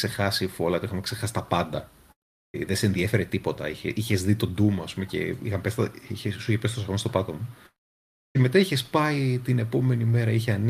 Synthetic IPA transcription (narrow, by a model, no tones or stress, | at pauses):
se̞xɐsifo̞lɐot̪iixɐmekse̞xɐsi̥t̪ɐpɐnd̪ɐ | ðeseenðiefe̞ɾet̪ipo̞t̪ɐ̰içeʔiçe̞zðit̪o̞nd̪umoɐspumece̞̰ḭxɐmepesit̪içesuiçepesit̪oɐɣost̪o̞pɐt̪o̞mu | eme̞t̪ɐiçe̞spɐit̪ine̞po̞me̞nime̞ɾɐiçeɐn